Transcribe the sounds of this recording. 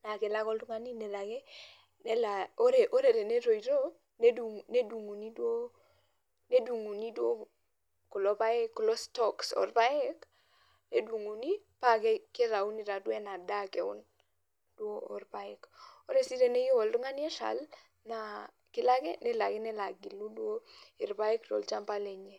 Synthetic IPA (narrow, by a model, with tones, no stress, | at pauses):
na˨kɪ˨la˦kɔ˦ldu˦ŋa˦ni˦ne˨la˨ɡe˦ | ne˦lao˦ɾe˨ʔo˦ɾe˨ɾe˨ne˦ɾo˨i˨ɾo˦ | ne˦du˨ne˦du˨ŋu˨ni˦dwo˦ | ne˦du˨ŋu˨ni˦dwo˦ | ku˨lo˦pa˦e˦kːu˨lo˦stɔksɔ̰˨rpa˦ɛ˦k | ne˦dwu˨ŋu˨ni˦pa˦ɡɛ˦ke˦ɾa˨u˦ni˨ɾa˨dwɛ˦na˨da˦kɛ˨ʊ̰˦n | d̥wo˦ɔ˨rba˦ɪ˦ko˦ɾe˨si˦ɾe˦ne˦ji˦wɔ˨ldʊ˦ŋa˦nɪ˦ɛ˦ʃa̰˨l | na˨ | kɪ˦la˦ɡɛ˦nɛ˦la˨ɡɛ˦nɛ˦la˨ɡi˨lu˦dwo˦ɪ˨ɾba˦ɪ˦ktɔ̰˨lt͡ʃa˦mpa˦le˨ɲe˦˨